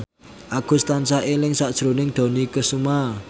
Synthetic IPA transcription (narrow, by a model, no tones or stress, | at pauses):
ʔaɡ̥ṳst̪ant͡ʃaɦelɪŋsaʔd̥ʒ̥ɾonɪŋd̪̥o̤nikəsuma